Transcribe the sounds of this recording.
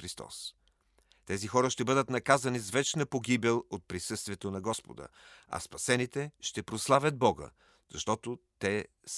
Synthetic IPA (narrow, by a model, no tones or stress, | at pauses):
ɾist̪ɔ̰s | t̪ɛzixɔɾəʃt̪ɛbɤd̪ət̪nɐkazɐnizvɛt͡ʃnəpoɡʲibɛlˠot̪̚pɾisɤst̪vʲiɛt̪onɐɡɔspo̰d̪ə̰ɐ̰spɐsɛnit̪ɛʃt̪ɛpɾoslˠavʲəd̪̚bɔɡə̰ | z̥ɐʃt̪ɔt̪ot̪ɛ | s